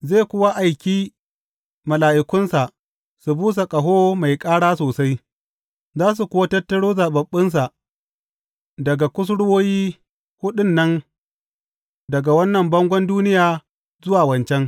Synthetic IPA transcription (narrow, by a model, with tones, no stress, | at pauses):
ze˦˨kʷʊ˦wa˦ʔa˨jkʲiː˦ | mɐ˨laː˨ʔɪ˨kʷʊ˦nsa˨ʔ | su˨buː˦s̬a˨kʼɐ˨ɦoː˦ma˨jkʼaː˦ɽaː˦soː˨sa˦j | zaː˦s̬u˨kʷʊ˦wa˦tɐ˦tːɐ˦ɽoː˦zaː˨bɐ˨ɓːɪ˦ns̬a˨ʔ | dɐ˨ɡa˨kʷʊ˦s̬ɽwoː˦jiː˦ | hʊ˦ɗɪ˦nːɐ˦n | dɐ˨ɡa˨wɐ˦nːɐ˨mbɐ˦ŋɡʷɔ˦nduː˦nɪ˦jaː˨ | zʊ˦waː˨wɐ˨nt͡ʃɛ˦ŋ